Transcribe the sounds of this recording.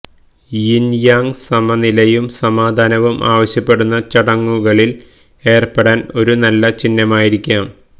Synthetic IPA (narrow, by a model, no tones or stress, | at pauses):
jinjaːŋsɐmɐnilɐjumsɐmaːd̪ʱaːnɐʋumʔa̰ːʋɐɕjɐpːe̞ɽunːɐt͡ɕɐɽɐŋːuɣɐɭil | e̞ːrpeɽaːno̞ɾunɐlːɐt͡ɕinːɐmaːjiɾikʲːaːm